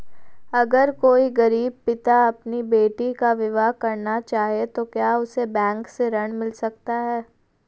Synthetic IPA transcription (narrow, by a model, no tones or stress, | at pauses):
ɐɡəɾkoːiɡɐɾiːb̚pɪt̪aɐpnibeːʈikaʋɪʋaːɦkɐɾnat͡ʃaːɦiet̪okjaːʊsebɛ̃ːŋkseɾɐɽ̃mɪlsɐkt̪aɦɛː